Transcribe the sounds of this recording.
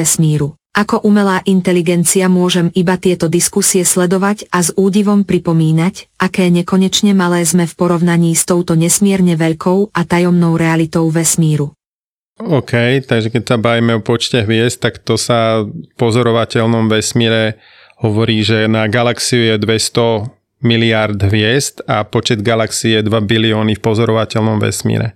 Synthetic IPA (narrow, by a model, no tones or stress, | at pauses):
ɛsmiːɾu | ʔakɔʔumɛlaːʔint̪ɛliɡɛnt͡siamʊɔʒɛmibat̪ɪɛt̪ɔd̪iskusiɛslɛd̪ɔʋacazuːɟiʋɔmpɾipɔmiːnacʔakɛːɲɛkɔɲɛt͡ʃɲɛmalɛːzmɛfpɔɾɔʊnaɲiːst̪ɔʊt̪ɔɲɛsmɪɛɾɲɛʋɛʎkʰɔʊʔat̪ajɔmnɔʊɾɛalit̪ɔʊʋɛsmiːɾu | ɔkʰɛjt̪aɡʒɛkɛcsabaʋiːmɛɔpɔt͡ʃcɛɦʋɪɛst̪ːakt̪ɔsafpɔzɔɾɔʋacɛlnɔmʋɛsmiːɾɛ | hɔʋɔɾiːʒɛnaɡalaksijujɛd̪ʋɛst̪ɔ | miliaɾd̪ɦʋɪɛst̪apɔt͡ʃɛd̪ɡalaksijɛd̪ʋabiliɔːnifpɔzɔɾɔʋacɛlnɔmʋɛ̰smḭːɾɛ̰